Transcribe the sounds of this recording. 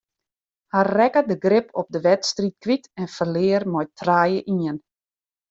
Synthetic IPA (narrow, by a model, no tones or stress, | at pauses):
harɛkədəɡrɪpʰɔp̚dəʋɛtstrit̚kʋitɛnfərlɪːərmɔjtʰraːjəʔiən